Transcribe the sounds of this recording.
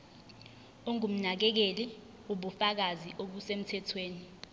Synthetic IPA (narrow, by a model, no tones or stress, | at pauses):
uŋum̩nak̬ɛk̬eli | uɓufak̬aziʔoɓusem̩tʰɛtʰweːni